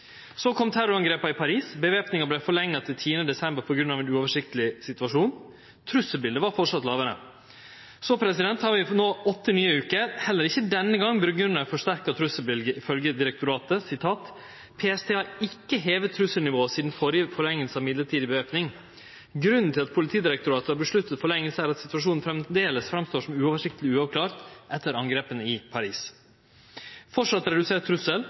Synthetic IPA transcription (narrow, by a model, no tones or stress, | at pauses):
sokʰɔmt̪ʰæɾɔɾɑŋɡɾeːpɑɪpʰɑɾiːsbəʋeːpnɪŋɑblɛfɔɭɛŋːɑt̪ʰɪlt̪ʰiːənəd̪ɛsɛmbəɾpʰɔɡɾʉnɑːʋɛnʉːɔːʋəʂɪk̚t̪əlɪsɪt̪ʉɑʂuːn | t̪ʰɾʉsːəlbɪld̪əʋɑɾfɔʈʂɑt̪lɑːʋəɾə̰ | sɔpʰɾɛsɪd̪ɛnt̪hɑɾʋɪnoːɔt̪ːənyːəʉːkəhɛlːəɾɪçːəd̪ɛnːəɡɑŋːbɾʉɡʉnəɾfɔʂt̪æɾkɑt̪ʰɾʉsəbɪlɡ̪əɪfœlɡəd̪ɪɾɛk̚t̪ʊɾɑːt̪əsɪt̪ʰɑːt̪ | pʰeːɛst̪ʰeːɑɪkːəɦeːʋət̪ʰːɾʉsəlnɪʋoːəsiːd̪n̩fɔɾfɔɭɛŋːəlsəɑʋmɪd̪ləʈʰiːd̪ɪbəøːpnɪŋ | ɡɾʉnːn̩t̪ʰɪlɑt̪pʰʊlɪt̪ʰiːd̪ɪɾɛk̚t̪ʊɾɑːt̪əɑɾbəʂlʉt̪ːət̪fɔɭɛŋːəlsəæːɾɑt̪sɪ̥t̪ʉɑʂuːnn̩fɾɛmd̪eːləsfɾɑmst̪oːʂɔmʉːɔːʋəʂɪk̚t̪əlɪʉːɑʋkʰlɑːɾt̪ʔɛt̪ːəɾɑŋɡɾeːpənəɪpʰɑɾiːs | fɔʂɑt̪ːɾɛd̪ʉseːt̪ʰɾʉsəl